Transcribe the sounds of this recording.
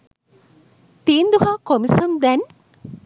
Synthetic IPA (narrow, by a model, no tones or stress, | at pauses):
t̪iːnd̪uɦaːkomisɐmd̪ɛn